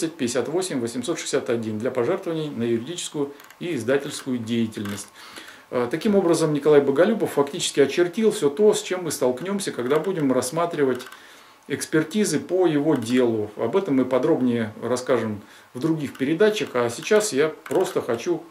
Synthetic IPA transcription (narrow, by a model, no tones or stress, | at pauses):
sət̚ʲpʲɪdʲɪsʲat̪vo̞sʲɪmʲvəsʲɪmso̞t̪ʂɨ̥ɪ̥sʲat̪ɐdʲind̪lʲɐpɐʐɛrt̪əvənʲɪjnəjʉɾʲɪdʲit͡ɕɪ̥skʊjʊ | iːzd̪atʲɪlʲskʊjʊdʲejɪtʲɪlʲnəsʲtʲ | ət̪ɐkʲimo̞bɾəzəmnʲɪkɐlˠajbəɡɐlʲubəfːɐktʲit͡ɕɪ̥skʲɪɐt͡ɕɪrtʲilˠfsʲot̪o̞sʲt͡ɕe̞mːɨst̪ɐlˠknʲo̞msʲəkɐɡd̪abudʲɪmrɐsːmat̪ɾʲɪvətʲ | ɪkspʲɪrtʲizɨpəjɪvo̞dʲe̞lˠʊɐ̰bɛt̪əmːɨpɐd̪ɾo̞bnʲɪjərɐskaʐɨm | vd̪ɾʊɡʲixpʲɪɾʲɪd̪at͡ɕəxɐsʲɪt͡ɕasjapɾo̞st̪əxɐt͡ɕu